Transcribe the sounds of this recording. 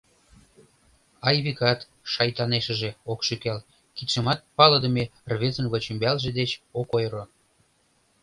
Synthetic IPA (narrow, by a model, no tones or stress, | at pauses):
ɑjβikɑt̪ | ʃɑjt̪ɑneʃə̆ʒeokʃykæl | kit̪ʃəmɑt̪̚pɑləd̪ə̆merβezənβət͡ɕəmbælʒed̪et͡ɕokojɾo